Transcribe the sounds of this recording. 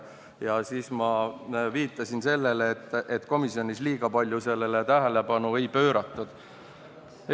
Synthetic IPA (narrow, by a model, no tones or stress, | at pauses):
jɑsiːsmɑviːt̪ːˑɑsinse̞lːe̞leːt̪ˑːʔet̪ːˑko̞misjo̞nʲisliːɡ̥ɑpɑlʲjuse̞lːe̞let̪æɦele̞pɑnue̞jpø̞ːɾɑt̪ːˑud̪̥